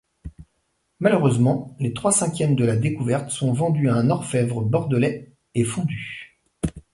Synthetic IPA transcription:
maløʁøzmɑ̃let̪χwasɛ̃kʲjɛmd̪əlad̪ekuvɛʁt̪sɔ̃vɑ̃d̪yaɛ̃nɔʁfɛvʁəbɔʁd̪əlɛ | efɔ̃d̪y

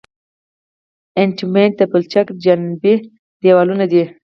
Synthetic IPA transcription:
ɪɳʈimeɳʈ̚d̪apəlt͡ʃakd͡ʒanbi | d̪ewalunad̪i

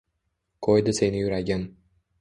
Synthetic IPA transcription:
kʰojd̪ɪse̞nɪjʊɾaɡʲan

